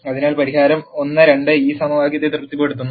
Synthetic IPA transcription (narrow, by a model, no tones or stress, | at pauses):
ɐðinaːlpɐɾiɦaːɾɐmo̞nːɨɾe̞ɳɖɨiːsɐmɐʋaːɡjɐt̪ːet̪irt̪ːipːoːjeɽut̪ːunːu